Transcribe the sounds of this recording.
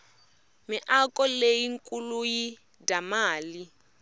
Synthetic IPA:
mɪʔakɔlejiŋkʼuluji | damaːli

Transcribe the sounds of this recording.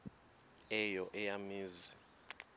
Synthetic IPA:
ɛjɔʔɛjamiːzi

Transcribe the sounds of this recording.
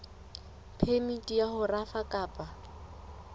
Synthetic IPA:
pʰemitʼijahʊrafakʼaːpʼa

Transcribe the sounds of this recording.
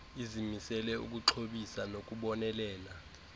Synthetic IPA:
izimisɛlɛṵk̬ʼuǁʰoɓisanok̬ʼuɓɔnɛlɛːla

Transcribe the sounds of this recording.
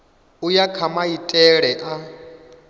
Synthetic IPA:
ujakʰamaitʼɛɺɛʔa

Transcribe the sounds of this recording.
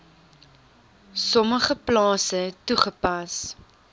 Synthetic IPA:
sɔməχəplɑːsəɛtuχəpɐs

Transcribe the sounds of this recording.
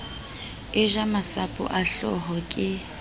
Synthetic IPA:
ɪʒamasapʼʊ̰ʔaɬɔ̰ɦɔkʼɪ

